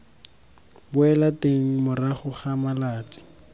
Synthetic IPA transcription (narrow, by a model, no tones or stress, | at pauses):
bʊɛlateŋ̩mʊraχʊχamalaːt͡sʼɪ̥